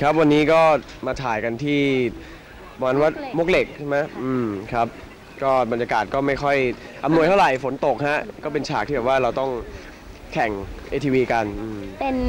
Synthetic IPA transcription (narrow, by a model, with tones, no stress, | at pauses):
kʰa˦˥p̚wa˧nːiː˦˥kɔː˥˩ | maː˧t̪ʰaː˨˩jka˧nt̪ʰiː˥˩˧ | a˧nwa˦˥˩t̪̚mo˦˥k̚le˨˩k̚t͡ɕʰma˦˥jʔɯː˧mkʰa˦˥p̚ | kɔː˥˩ba˧njaː˧kaː˨˩t̪̚kɔː˥˩ma˥˩jxʰɔ˥˩jʔa˧mnu˧jt̪ʰa˥˩wɾa˨˩jfo˩˦nt̪o˨˩k̚ha˦˥ʔkɔː˥˩p̬e˧nt͡ɕʰaː˨˩k̪̚ʰi˥˩bɛ˨˩pwaː˥˩ɾa˧wt̪ɔ˥˩ŋ | kʰɛ˨˩ŋʔeː˧t̪ʰiː˧wiː˧ka˧nʔɯː˧mpe˧n